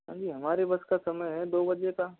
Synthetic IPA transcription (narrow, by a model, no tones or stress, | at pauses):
ɦã̰ːd͡ʒiːɦɐmaːɾebɐskasɐməjɦɛd̪oːbɐd͡ʒeka